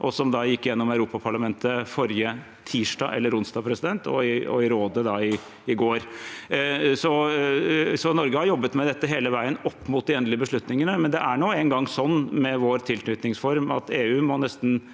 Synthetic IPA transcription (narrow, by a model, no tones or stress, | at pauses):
ʔɔsɔmd̪ɑjɪkːjɛnːɔmœʉɾuːpɑpʰɑɭɑmɛnt̪əfɔɾjə | t̪ʰiːʂʈɑ̰ːʔɛ̰lːəɾʊnsd̪ɑːpʰɾɛsɪd̪ɛnt̪ʰɔ̰ɪɔ̰ɪɾoːd̪əd̪ɑɪ | ɪɡoːɾ | sɔ | sɔnɔɾɡəhɑɾjɔbːət̪mɛd̪ɛt̪ːəɦeːləʋæɪənɔpːmuːt̪̚d̪ɪɛnd̪lɪəbəʂɭʉt̪nɪŋənəmɛnd̪ɛʔæɳuːɛŋɡɑŋːsɔnːmɛʋoːɾt̪ʰɪlt̪ʰnʏt̪nɪŋsfɔɾmɑ̰t̪eːʉːmɔnɛst̪n̩